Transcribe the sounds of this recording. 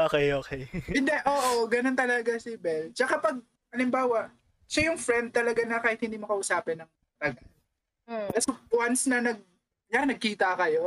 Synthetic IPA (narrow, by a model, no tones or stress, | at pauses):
ʔoːkɛjʔoːkɛjɪnd̪ɛʔoːʔoɡɐnont̪ɐlɐɡasɪbɛlt͡ʃɐkapɐɡ̚ | ʔɐlɪmbaːwɐ | ʃɐjʊŋfɾɛnd̪̚t̪ɐlɐɡanɐkaːhɪt̪̚hɪnd̪iːmɐkɐʔʊsaːpɪnːɐŋ | t̪ɐɡɐl̩ | kɐsopwansnɐnɐɡ̚ | janɐɡ̚kiːt̪ɐkɐjo̞